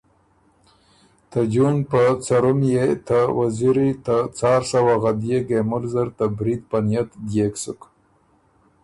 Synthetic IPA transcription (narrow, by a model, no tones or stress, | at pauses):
t̪ad͡ʒunpət͡saɾumjet̪awaziɾit̪at͡sɑːɾsawaɣad̪jeɡemʊlzəɾt̪abɾid̪̚panjat̪d̪jeksuk